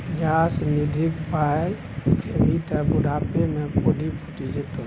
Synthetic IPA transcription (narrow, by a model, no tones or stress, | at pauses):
d͡ʒasnid̪ʱikpaj | kʰemit̪əbuɽapemẽpoɖʱipʰuʈid͡ʒet̪o